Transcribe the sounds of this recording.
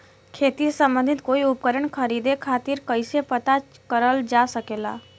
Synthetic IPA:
kʰeːt̪isə̃mbə̃nd̪ʱɪt̪koːiʊpkəɾəɳ̃kʰəɾiːd̪ekʰaːt̪iɾkəɪsepət̪akəɾəld͡ʒasəkeːla̰ː

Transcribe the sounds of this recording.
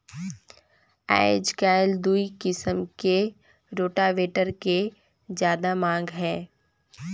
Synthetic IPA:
a̰ːɪd͡ʒkaːɪld̪uikɪsəmke | ɾoːʈaʋeːʈəɾke | zjaːd̪amãːŋɡɦɛ̃ː

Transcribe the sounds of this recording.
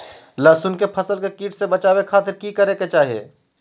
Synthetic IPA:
laːsunkepʰəsəlkekiːʈsebɐt͡ʃaːwekʰaːt̪ɪɾkikəɾeket͡ʃaːɦiḛː

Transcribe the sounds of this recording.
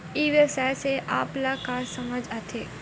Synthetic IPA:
iːʋesɛseʔaːplakaːsɐməd͡ʒat̪ʰeː

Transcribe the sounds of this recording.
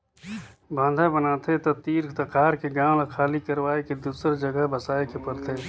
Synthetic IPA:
bãːnd̪ʱabənaːt̪ʰet̪ot̪iːɾkt̪ɐkaːɾkeɡãːlakʰaːlikɐɾwaːeked̪uːsəɾd͡ʒəɡəbəsaːekepɐɾt̪ʰeː

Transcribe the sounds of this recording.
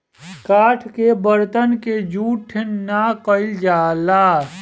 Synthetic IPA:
kaːʈʰkebəɾt̪ənked͡ʒuːʈʰːɪnːakəɪld͡ʒaːlaː

